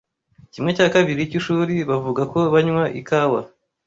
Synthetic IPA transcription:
cimŋe̞caːkaβiɾicuʃuɾiβavuɡako̞βaɲwaʔḭkaːwa

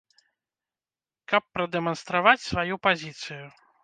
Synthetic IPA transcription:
kɐpːɾɐd̪ɛmɐnst̪ɾavat͡sʲsvajupazʲit̪sɨju

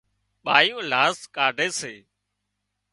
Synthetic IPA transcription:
ɓaːjõːlaːskaːɖʱeːseː

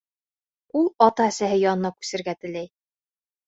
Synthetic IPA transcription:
ulˠɒt̪ɑæsæɦɘjɑnɤ̆nɑkʉ̥sɘ̆ɾɡæt̪ɘ̆læj

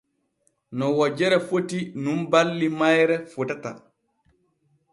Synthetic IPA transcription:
nɔwɔd͡ʒɛɾɛfotinumbalːimajɾɛfutata̰

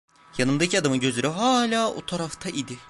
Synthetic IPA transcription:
janɯmd̪acʰiad̪amɯɟø̞zyɾyɦaːlʲaːo̰t̪ʰaɾaft̪ʰaʔid̪ɪ

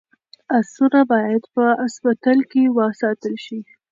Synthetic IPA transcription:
asuɾabɑjad̪pəaspat̪ɑlkewɑsɑt̪əlʃi

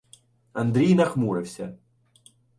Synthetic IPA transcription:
ɐnd̪ɾʲijnɐxmuɾɛfsʲɐ̰

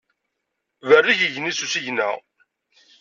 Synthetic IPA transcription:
vərːiʝəʝnisusiʝnæ̰

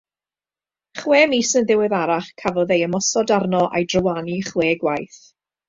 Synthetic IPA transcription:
χweːmisənðɪwɪðaɾaχkʰavɔðejəmɔsɔdarnɔʔa̰jdrəwaniχweːɡwajθ

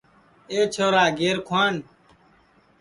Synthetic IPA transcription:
eːt͡ʃʰoːɾaːɡeːɾkʰwaːn

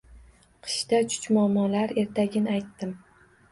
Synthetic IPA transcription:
qʰɨ̥ʃt̪at͡ʃʰʊ̥t͡ʃmʊamːɒlaɾe̞ɾt̪ʰaɡʲɪnɪajt̪ːɪm

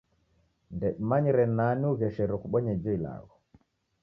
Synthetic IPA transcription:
ndɛmaɲiɾɛnaniuɣɛʃɛɾɔkuɓɔɲɛd͡ʒɔila̰ɣɔ

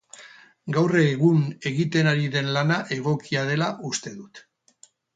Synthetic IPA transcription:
ɡawre̞ɣune̞ɣit̪e̞naɾiðe̞nlanaʔe̞ɣ̞o̞kiaðe̞laʔust̪e̞ðut̪

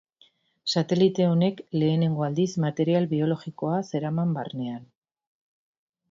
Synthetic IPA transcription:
sat̪e̞lit̪e̞o̞ne̞kle̞ːne̞ŋɡo̞ald̪izmat̪e̞ɾialβio̞lo̞ɣiko̞ase̞ɾamamba̰rne̞an

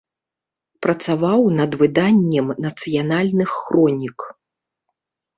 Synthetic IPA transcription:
pɾɐt̪savawnɐd̪vɨd̪anʲːɛmnɐt̪sɨjanalʲnɨxːɾɔnʲik

